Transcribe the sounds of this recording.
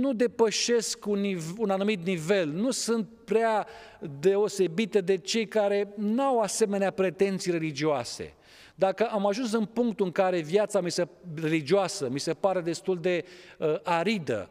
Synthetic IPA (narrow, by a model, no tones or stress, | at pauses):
nud̪e̞pəʃe̞skunːivunanumit̪nive̞lnusɨnt̪̚pɾea | d̪e̞o̞se̞bit̪ed̪e̞t͡ʃe̞jkaɾe̞nawase̞me̞neapɾe̞t̪e̞nt̪sijɾe̞lid͡ʒioasḛ | d̪akəʔamaʒuns̬ɨnpuŋkt̪ɨŋkaɾe̞vjat̪samisere̞lid͡ʒioasəmise̞paɾe̞d̪e̞st̪uld̪e̞əʔaɾid̪ə̰